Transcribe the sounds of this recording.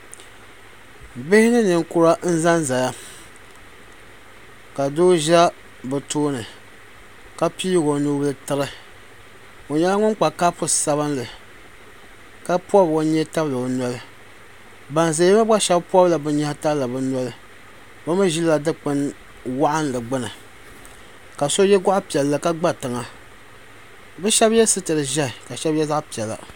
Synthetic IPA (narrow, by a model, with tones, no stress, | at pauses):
bɪ˦hɪ˦nɨ˦nɨ˨ŋ˦kʊ˦˨ɾa˦n̩˦za˦nza˨ja˦ | ka˨do˦ʒa˦ | bɨ˨toː˦nɨ˨ | ka˦piː˦ɡo˨nu˦bɨ˦lɨ˦tɨ˦ɾɨ˦ | o˨ɲɛ˦la˦ŋʊ˦ŋ˦k͡pa˨ka˦pʊ˨sa˨βɨ˦n˦lɨ˨ | ka˦pɔ˦bo˨˦ɲɛ˦ta˦blɨ˨nɔ˨˦lɨ˦ | ba˨n˨za˨˦jma˦a˦ʃɛ˦bpu˦ɔ˦la˨bɨ˦ɲa˦hta˦bla˨bɨ˦n˦lɨ˦ | ba˦mɨ˦ʒi˦lla˨dɨ˦k͡pɨ˦n | wa˦ʔa˦n˦lɨ˨ɡ͡bɨ˦nɨ˨ | ka˨so˦jɛ˦ɡa˦ʔʊ˦pi˨ɛ˨lːa˦ka˦ɡ͡ba˦tɨ˨ŋa˨ | bɨ˦ʃɛ˦bjɛ˦sɨ˦tɨ˨ɾɨ˨ʒa˦˨ka˨ʃɛ˦bjɛ˦za˦ʔpi˨ɛ˨la̰˨